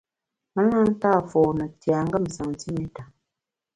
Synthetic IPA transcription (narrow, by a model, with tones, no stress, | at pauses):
mə˦la˦n̩˦ta˦˨fɔː˨nə˨tja˨ŋɡə˦˨m̩˨sa˨ŋ˨ti˦mi˦ta˨